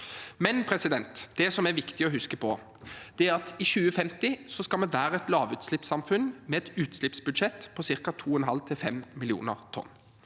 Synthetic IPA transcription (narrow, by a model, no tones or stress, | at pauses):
mɛnpʰɾɛsɪd̪ɛnt̪d̪̥ɛsɔmæɾʋɪkt̪ɪɔɦʉskəpʰɔ | d̪̥ɛæɾɑt̪iɕʉːəfɛmt̪ɪsɔskɑlmɛʋæːɾəɛt̪lɑːʋʉːt̪slɪpsɑmfʉnmɛɛt̪ʉːt̪slɪpsbʉd̪ʂɛt̪ːpʰɔsɪɾkɑt̪ʰuːɛnɦɑlt̪ʰɪlfɛmmːɪlɪṵːnəʁt̪ʰɔ̰nː